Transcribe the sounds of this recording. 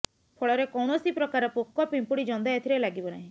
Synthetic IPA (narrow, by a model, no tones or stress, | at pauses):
pʰoɭɔɾekɔwɽ̃ɔsipɾɔkaɾɔpokːɔpimpuɽid͡ʒɔnd̪ajat̪ʰiɾelaɡibɔna̰ɦĩ